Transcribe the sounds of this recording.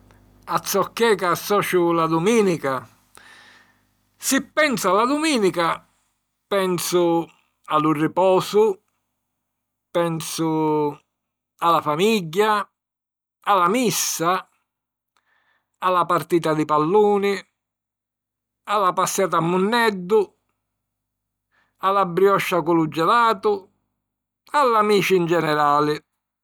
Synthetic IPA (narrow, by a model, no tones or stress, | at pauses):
at̪sːɔkːɛːkasːɔːt͡ʃʊlad̪umiːnika | sipːɛnsʊalːad̪umiːnika | pɛnsʊ | alʊrːipɔːsʊ | pɛnsʊ | alafamiɟːa | alamisːa | alːapaɾt̪iːt̪ad̪ɪpalːuːnɪ | alːapasːjaːt̪̬amːʊnːɛd̪ːʊ | alːabɾjɔʃːakʊlud͡ʒːɛlaːt̪ʊ | alːamiːt͡ʃɪnd͡ʒɛnɛɾaːlɪ